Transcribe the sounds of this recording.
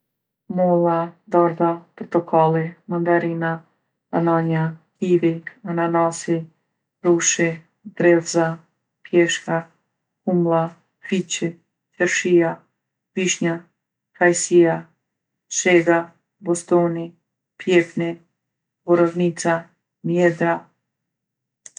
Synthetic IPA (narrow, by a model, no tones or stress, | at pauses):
mɔlˠad̪ɔɾd̪apɾɔt̪ɔkʰalˠimand̪aɾina | a̰naɲahiviananasi | ɾuʃi | d̪ɾɛvza | pjɛʃka | humlˠa | fit͡ɕɛ | t͡ʃɛɾʃija | piʃɲa | kajsija | ʃeɡa | bost̪oni | pjɛpni | boɾavnit̪sa | mjɛd̪ɾa